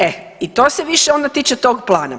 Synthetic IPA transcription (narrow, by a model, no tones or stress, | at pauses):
e | it̪oːseʋiʃeo̞nd̪at̪iːt͡ʃet̪o̞ɡplˠaːna̰